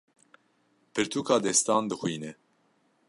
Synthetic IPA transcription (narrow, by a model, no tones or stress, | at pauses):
pɨɾt̪ʰuːkɑːd̪ɛst̪ɑːnd̪ɨxwiːnɛ